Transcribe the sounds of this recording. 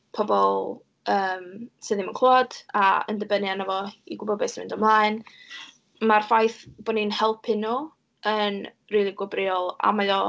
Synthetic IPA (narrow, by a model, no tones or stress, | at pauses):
pʰɔbɔlˠ | əːmsɨðɪmənkʰlˠoːd̥aə̰ndəbənjanəvɔiɡʊbɔbɛsmɪndɔmlˠaːɨn | marfajθb̥ɔninhɛlˠpʰɪnu | ən | riːlˠiɡʊbrɪɔlˠa̰maðɔ